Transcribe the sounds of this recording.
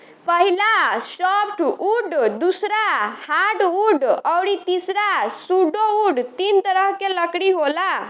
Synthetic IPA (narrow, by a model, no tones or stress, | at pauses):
pəɦilasɔpʰʈuɖd̪usɾahaɾɖuɖəwɽit̪isɾasuɖouɖt̪int̪əɾəɦkeləkɽiɦola